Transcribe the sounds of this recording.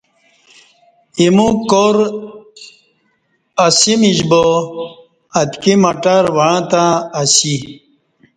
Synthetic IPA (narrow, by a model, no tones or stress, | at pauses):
imũkoɾ | ɐsimid͡ʑbo | ɐt̪kimɐʈaɾʋɐɻãt̪ãɐsi